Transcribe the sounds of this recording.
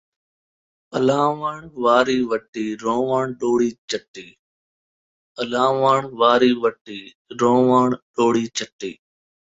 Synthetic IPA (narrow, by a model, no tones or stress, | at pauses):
əlaːʋaːɳʋaːɾiːʋəʈiːɾõːʋaːɳɗoːɽiːt͡ʃəʈːiː | əlaːʋaːɳʋaːɾiːʋəʈiː | ɾõːʋaːɳɗoːɽiːt͡ʃəʈḭː